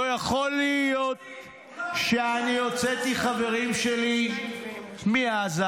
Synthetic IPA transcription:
jaχo̞lijo̞t̪̚ | ʃeaniot͡set̪iχave̞ʁimʃeli | miaza

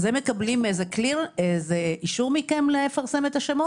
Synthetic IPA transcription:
zemekablimejzekliʁezeiʃuʁmikemlefaʁse̞met̪haʃemo

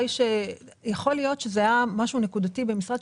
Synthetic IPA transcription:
jʃe | jaχo̞lijo̞tʃezeajamaʃune̞kud̪atibe̞misʁad̪

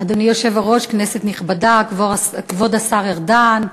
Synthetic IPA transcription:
ad̪onijo̞ʃe̞vaʁo̞ʃkneset̪niχbadakvoskvodasaʁeʁdan

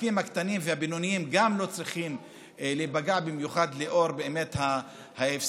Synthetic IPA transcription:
kimhakt̪animveabinonijimɡamlo̞t͡sʁiχim | lebaɡaʕbimjuχad̪leʔo̞ʁbeːme̞t̪ha | haefs

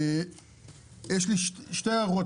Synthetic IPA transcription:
jeʃliʃʃtejaʁo

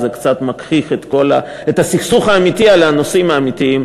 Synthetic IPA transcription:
zekt͡sat̪makʁiχet̪ko̞la̰ | et̪asiχsuχaːmit̪ialano̞simaːmit̪iim

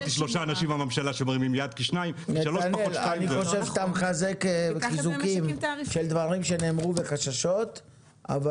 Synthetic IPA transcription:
iʃloʃaːnaʃimamamʃalaʃemʁimimjad̪̚kiʃnaimneʃaloaʃnelaniχo̞ʃe̞vst̪amχazekizukimʃe̞ld̪vaʁimʃe̞ne̞ːmʁuve̞χaʃaʃo̞t̪ | a̰va

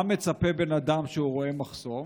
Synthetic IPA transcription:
me̞t͡sape̞be̞nad̪amʃeuʁo̞e̞maχso̞m

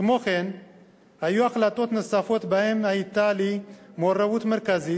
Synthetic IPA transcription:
t̪moxen | hajuaxlat̪ot̪nɨsafot̪bahemait̪ːalimorːawut̪meɾkazi

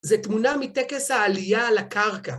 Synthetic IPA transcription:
zet̪munamit̪ekeshaːlijalakaʁka

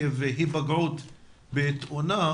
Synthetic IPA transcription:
eveɦibaɡʕut̪ | beːt̪ona

